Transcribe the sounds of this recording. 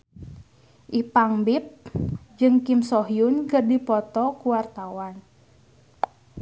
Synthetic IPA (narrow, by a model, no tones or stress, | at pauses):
ʔipaŋbip̚d͡ʒɨŋkimsɔɦiʊnkərdipɔt̪ɔkuwart̪awan